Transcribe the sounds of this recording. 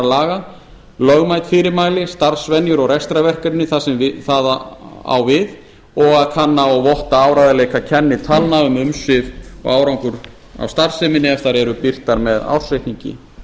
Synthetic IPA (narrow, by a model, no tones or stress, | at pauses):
laːɣa | lœɣmaːjt̪fɪɾɪɾmaːjlɪst̪aɾ̥svɛnjʏɾɔɣrɛst̪ɾavɛr̥kɪɾɪnːɪθasɛmvɪθaːðaa̰wvɪð | ɔɣaðkʰanːaɔɣvɔht̪aaːwɾajðaleːjkacʰɛnːɪt̪ʰalnaʏmʏmsɪvɔ̰ɣaːwɾawŋkʏɾ | a̰wst̪ar̥sɛmɪnːɪɛft̪aɾɛɾʏpir̥t̪aɾmɛða̰wr̥sɛht̪niɲcɪ̰